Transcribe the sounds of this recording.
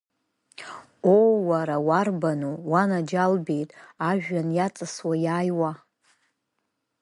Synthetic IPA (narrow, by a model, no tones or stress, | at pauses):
owːaɾawarbanuwanad͡ʒalbe̞jtʼaʒᶣanjat͡sʼɨswajaːjwa